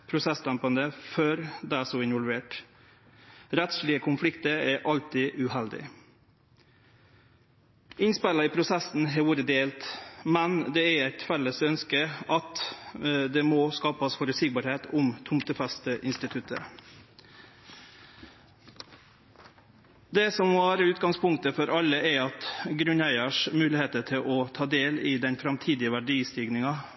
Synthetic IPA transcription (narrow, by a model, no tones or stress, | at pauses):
pʰɾʊsɛsd̪æmpɑnd̪əføːɾd̪ɛæːsoːɪnʋɔlʋeːʈ | ɾɛt̪sɭɪəkʰʊnflɪkt̪əɾæʔɑlt̪ɪʔʉhɛld̪ɪ̰ | ʔɪnspælɑiːpʰɾʊsɛsn̩ɦɛʋuːɾəd̪eːlt̪mɛnd̪ɛːæɾæɪt̪fɛləsœnskəɑt̪ | d̪ɛmoːskɑːpəsfɔɾʉsɪɡ̚bɑɾheːt̪ʰʊmt̪ʰʊmt̪ʰəfɛst̪əʔɪnst̪ɪt̪ʰʉt̪ʰə̰ | d̪ɛsɔmɔʋæːɾəʉːt̪ɡɑŋspʰʊŋkt̪əfɔɾʔɑlːəʔɛɾɑt̪ɡɾʉnæɪəʂmʉːlɪheːt̪ət̪ʰɪlʔɔt̪ʰɑːd̪eːlɪːd̪ɛnfɾɑmt̪ʰiːd̪ɪəʋæɖiːst̪iːɡnɪŋɑ